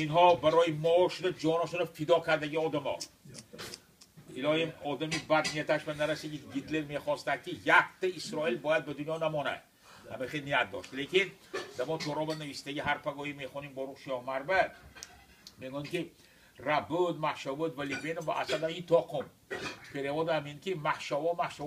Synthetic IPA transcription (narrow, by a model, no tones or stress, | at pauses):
inɦɔbaɾɔjimɔʃud̪ad͡ʒɒnaʃɔnafid̪ɒkʰaɾd̪aɡʲiɒd̪amɔ̰ | ilɒjimɔd̪amibad̪nijat̪aʃvanaɾasiɡʲiɡit̪le̞ɾme̞χɔst̪ad̪̚kʲijakt̪aisɾɒilbɒjad̪̚bɪd̪unjɒnamɔna̰d̪ | amiχenijat̪̚d̪ɔ̰ʃt̪lekʲin | d̪amɔt̪ʰoɾɒbanavist̪aɡʲiɦaɾpʰaɡɔjimeχɔnimbɔɾuqʃɒhmaɾba | meɡɔmkʲi | ɾabʊd̪mahʃavud̪valibenova̰ʔasad̪ajit̪ʰɔqʰʊm | pʰeɾevɔd̪ameŋkʰʲimahʃavɔmahʃa